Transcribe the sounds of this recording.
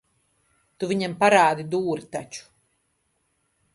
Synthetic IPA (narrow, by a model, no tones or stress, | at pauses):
t̪uviɲɛmpaɾaːd̪id̪uːɾit̪at͡ʃu̥